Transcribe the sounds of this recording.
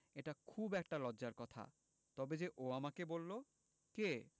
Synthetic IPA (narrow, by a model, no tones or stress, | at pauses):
eʈakʰubɛk̚ʈalɔdʑaɾkɔt̪ʰa̰ | t̪ɔbed͡ʑeʔoamakebolːo | ke